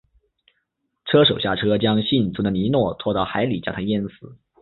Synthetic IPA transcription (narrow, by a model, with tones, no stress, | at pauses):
ʈ͡ʂʰɤ˥ʂo˨˩ʊɕja˥˩ʈ͡ʂʰɤ˥t͡ɕjɑ˥ŋɕi˥˩nt͡su˧˥d̪ə˧˨ni˧˥nwɔ˥˧t̪ʰwɔ˥˧t̪ɑ˥˩ʊxa˧˥ɪli˨˩t͡ɕjɑ˥˩t̪ʰa˥jɛ˥nsɹ̩˨˩˦